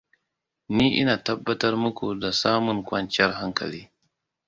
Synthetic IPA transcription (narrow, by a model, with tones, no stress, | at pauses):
niː˦ʔɪ̰˦naː˨tɐ˦bːɐ˦tɐ˦rmʊ˦kʷu˨da˨saː˦mʊ˨ŋkʷɐ˦nt͡ʃɪ˦ɐ˦rɦa˦ŋkɐ̰˨liː˦